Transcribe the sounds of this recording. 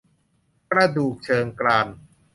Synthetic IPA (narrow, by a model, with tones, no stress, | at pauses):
kɾa˧duː˨˩k̚t͡ɕʰɤː˧ŋklaː˧n